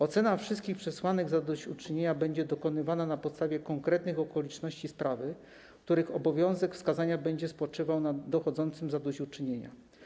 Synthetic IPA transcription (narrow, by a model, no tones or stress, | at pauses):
ɔt̪sɛnafʂɘst̪kʲixpʂɛswanɘɡzad̪ɔɕut͡ʂɘɲeɲabɛɲd͡ʑɛd̪ɔkɔnɘvananapɔt̪st̪avʲjɛkɔŋkɾɛt̪nɘxɔkɔlʲit͡ʂnɔɕt͡ɕispɾavɘ | kt̪uɾɘxɔbɔvʲjɔ̃w̃zɛkfskazaɲabɛɲd͡ʑɛspɔt͡ʂɘvawnad̪ːɔxɔd̪zɔnt̪sɘmzad̪ɔɕut͡ʂɘɲeɲa̰